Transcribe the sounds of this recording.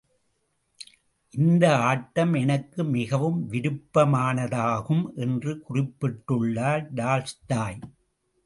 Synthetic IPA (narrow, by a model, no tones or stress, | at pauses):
ʔɪnd̪ɐaːʈːɐmɛnɐkːɯmɪɣɐʋɯmʋɪɾɯpːɐmaːnɐðaːɣɯmʔɛndrɯkʊrɪpːɪʈːɯɭːaːɾɖaːlst̪aːj